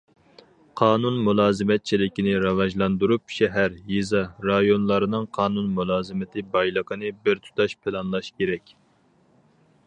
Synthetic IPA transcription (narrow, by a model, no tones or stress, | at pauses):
qʰɑːnunmulˠɑːzɨmɛt̪̚t͡ʃʰilɪkʲinɪɾɑvɑʒlˠɑnd̪uɾupʃɛɦæɾjizɑɾɑjonlˠɑɾɨnɨŋqʰɑːnunmulˠɑːzɨmɪt̪ʰɪbɑjlˠəqʰənɨbɪɾt̪ʰu̥t̪ʰɑʃpʰɪlˠɑnlˠɑʃkʲeɾɛkʲ